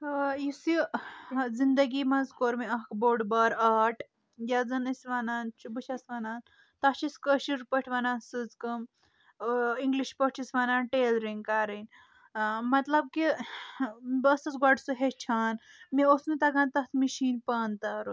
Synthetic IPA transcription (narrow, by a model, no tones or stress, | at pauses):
jisi | zind̪ɐɡiːmɐzkoːɾmiɐɦkboːɖbaːɾaːʈ | jaːd͡zɐnɐsʋaːnaːnt͡ʃʰubɨt͡ʃʰasʋanaːn | t̪ɐʃiskəʃiɾpəʈʰʋɐnaːnsɨzkɐm | iŋɡliʃpəʈʰisʋanaːnʈeːlɾiŋɡkaːɾɐnʲ | mɐt̪lɐb̚ki | bɐsɐzɡaɖsuɦet͡ʃʰaːn | miosnut̪ɐɡãːnt̪ɐt̪ʰmiʃiːnpaːnt̪aːɾu